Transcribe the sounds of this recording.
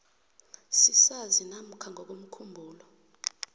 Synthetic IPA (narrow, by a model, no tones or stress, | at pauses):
sisazinam̩kʰaŋɔk̬om̩kʰumbʱuːlɔ